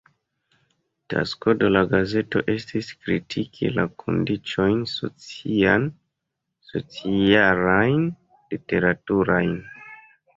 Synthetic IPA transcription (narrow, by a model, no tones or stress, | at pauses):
ta̰skodolaɡaze̞to̞̰ʔe̞stiskɾitʰikʰḭlakʰo̞̰ndit͡ʃo̞jnso̞̰t͡sian | so̞̰t͡sialajn | lite̞ɾatuɾajn